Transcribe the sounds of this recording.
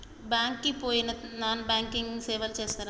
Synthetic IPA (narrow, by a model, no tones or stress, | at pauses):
baːŋkːipoːjinɐnaːnbaːŋkiŋsɛːʋɐlt͡ʃeːst̪aːɾa